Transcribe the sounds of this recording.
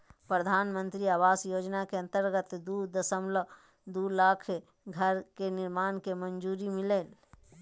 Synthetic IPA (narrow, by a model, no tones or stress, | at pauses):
pɾəd̪ʱaːnmənt̪ɾiaːʋaːsjod͡ʒnakeə̃nt̪əɾɡət̪d̪ud̪əsəmlə | d̪ulakʰ | ɡʱəɾkenɪɾmaːnkemənd͡ʒuːɾimileːl